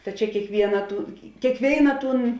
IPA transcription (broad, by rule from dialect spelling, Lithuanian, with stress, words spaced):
tɐ ˈt͡ʃʲɛ kʲiɛkˈʋʲiɛnɐ tuː kʲeːkˈʋʲeːɪnɐ ˈtuːn